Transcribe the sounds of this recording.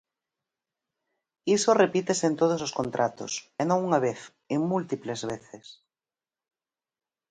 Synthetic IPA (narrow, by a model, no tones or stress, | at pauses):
isorepit̪esent̪oð̞ososkõnt̪ɾʔat̪o̰senõŋuŋaβ̞eθ | eŋmult̪iplezβeθes